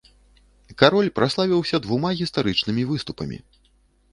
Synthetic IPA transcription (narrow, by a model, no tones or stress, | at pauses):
kaɾɔlʲpɾaslˠavʲiwsʲɐd̪vumaɣʲist̪aɾɨt͡ʂnɨmʲivɨst̪upɐ̰mʲḭ